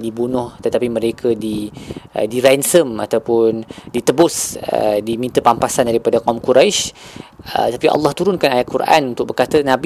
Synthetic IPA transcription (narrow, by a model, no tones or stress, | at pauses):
dibunʊht̪ət̪apimə̃ɾekʰədḭ | diɾɛnsəma̰t̪awpʊndit̪əbʊsə̰dimĩnt̪əpampasandaɾipadakamkuɾajʃ | ə̰t̪apiʔɑ̰lːɑht̪uɾʊnkanajaʔ̪̚kuɾʔa̰nunt̪ʊk̚bərkat̪ənãb